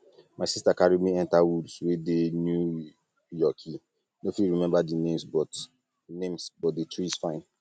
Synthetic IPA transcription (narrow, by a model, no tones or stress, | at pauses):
maɪsistakaɹimiɛ̃ntawudswedenju | jɔkʰi | nofiɹimɛ̃mbadinẽmsbɔt | nẽmsbɔt̚detɹisfãɪ̃n